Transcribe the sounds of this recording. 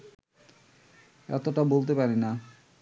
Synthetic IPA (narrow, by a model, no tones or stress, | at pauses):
ɛ̰t̪oʈabolt̪̬epaɾena